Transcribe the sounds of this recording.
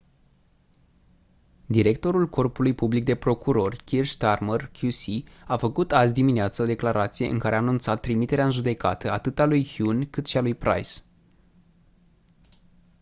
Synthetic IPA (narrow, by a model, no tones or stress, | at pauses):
d̪iɾe̞k̚t̪o̞ɾulkʰo̞rpulujpublik̚d̪e̞pɾo̞kuɾo̞rʲkʲirʃt̪armərkʲʰjusiafəkut̪azʲd̪imineat̪səod̪e̞klaɾʔat̪sije̞̰ʔɨ̰ŋkaɾeaːnunt̪sat̪ːɾimit̪e̞ɾeaɨnʒud̪e̞kat̪əat̪ɨt̪alujhjunʲkɨt̪ʃialujpɾa̰js